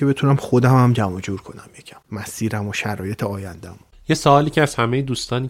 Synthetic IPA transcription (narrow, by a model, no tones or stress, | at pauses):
ebe̞t̪ʰunæmxo̞d̪æmæmd͡ʒæmɒd͡ʒuːɾkʰo̞næmjecʰæ̥mːæsiːɾæmoʃæɾɒːje̞t̪ʰeɒːjænd̪æmo | jesoɒːliːcʰeæz̥hæmejed̪uːst̪ɒːniː